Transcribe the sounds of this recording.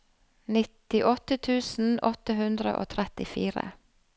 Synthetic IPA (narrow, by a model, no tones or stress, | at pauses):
nɪt̪ɪʔɔt̪ət̪ʰʉːsn̩ɔt̪əhʉnd̪ɾə̰ʔo̰ːt̪ʰɾɛt̪ɪfiːɾə̰